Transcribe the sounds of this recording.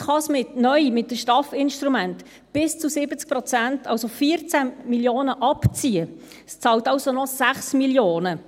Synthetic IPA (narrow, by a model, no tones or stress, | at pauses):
χɑsmɪtnœjmɪt̚ːəʃtɑfɪnʃtɾumænt | b̥ɪst͡susɪbət͡sk̚prɔt͡sæntɑlsofiːəɾt͡sæmiljoːnəʔɑpt͡siːə | st͡sɑːltɑlsonɔsæχsmiljoːnə